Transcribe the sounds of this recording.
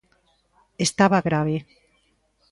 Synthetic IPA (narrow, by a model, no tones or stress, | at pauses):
est̪aβaɣɾaβe